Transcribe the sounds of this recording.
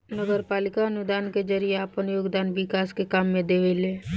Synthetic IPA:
nəɡəɾpaːlɪkaənʊd̪aːnked͡ʒəɾijeaːpənjoːɡd̪aːnʋɪkaːskekaːmːẽd̪eːʋeleː

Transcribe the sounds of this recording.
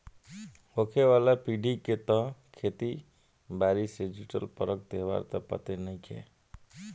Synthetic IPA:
okʰeʋalapiɖiket̪ɔ̃kʰet̪i | baɾisid͡ʒiʈəlpəɾək̚t̪eɦβa̰ɾt̪əpə̰t̪enəjkʰḛ

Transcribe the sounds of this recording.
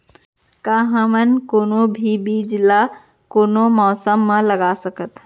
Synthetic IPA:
kaɦə̃mənkoːnobʱibid͡ʒla | koːnomɔːsəmːãləɡasəkət̪

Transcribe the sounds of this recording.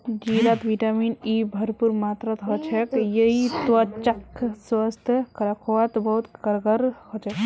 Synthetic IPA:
d͡ʒiɾat̪ʋiʈaminibʱəɾpuɾmat̪ɾət̪ɦɔt͡ʃʰɛkjəɦit̪wat͡ʃakswast̪ʰkɐɾakʰoʋat̪bəɦut̪kəɾɡəɾhɔt͡ʃʰɛk

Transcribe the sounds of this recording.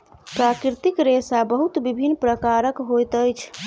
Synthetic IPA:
pɾakɾit̪ikɾesabəɦut̪bibʱinːpɾəkaɾəkɦojt̪əjt͡ʃʰ

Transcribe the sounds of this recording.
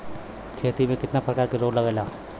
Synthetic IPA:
kʰeːt̪imẽkɪt̪napɾɐkaːɾkeɾoːɡlɐɡalaː

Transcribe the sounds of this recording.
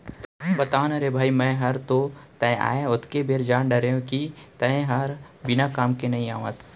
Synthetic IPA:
bɐt̪aːnɐɾebʱaːimɛ̃ɦɐɾt̪ot̪ɛ̃a̰ːeʊt̪ʰkebeːɾd͡ʒaːnɖɐɾeũkit̪ɐ̃ẽɦɐɾ | bɪnakaːmkenɐĩaːʋaːz

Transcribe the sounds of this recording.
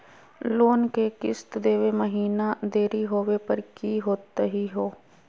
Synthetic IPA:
loːnkekɪ̰st̪d̪eːʋeməɦiːnad̪eːɾiɦoːʋepəɾkiɦoːt̪ɦiɦoː

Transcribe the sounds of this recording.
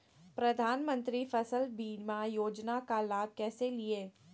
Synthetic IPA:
pɾɐd̪ʱaːnmə̃nt̪ɾifɐsəlbiːɾmajoːd͡ʒnakalaːb̚kɛːselieː

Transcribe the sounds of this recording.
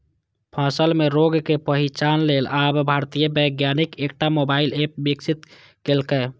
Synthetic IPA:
pʰasəlmeɾoɡkepəɦit͡ʃanlelabbʱaɾt̪ijəbəjɡjanikek̚ʈamobailep̚biksit̪ | kelkɛ

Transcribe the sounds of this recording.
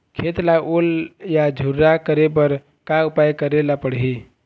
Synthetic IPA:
kʰet̪laʔoljad͡ʒʱuɾːakəɾep̬əɾ | kaupajkəɾelapəɽɦi

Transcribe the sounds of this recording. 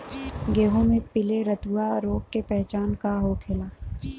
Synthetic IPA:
ɡeːɦõmẽpɪleɾət̪uaɾoːɡkepɛɦt͡ʃaːnkaɦoːkʰeːlaː

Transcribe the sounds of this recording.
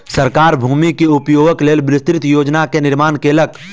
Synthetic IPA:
səɾkaːɾbʱuːmikiʊpjoːɡəkleːlbɾɪst̪ɾɪt̪joːd͡ʒnakenɪɾmaːnkelək̚

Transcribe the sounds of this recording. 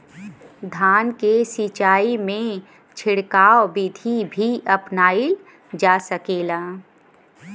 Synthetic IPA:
d̪ʱaːnkesit͡ʃaːimẽ | t͡ʃʰɪɽkaːwbid̪ʱibʱiʔɐpnaːil | d͡ʒaːsəkeːlaː

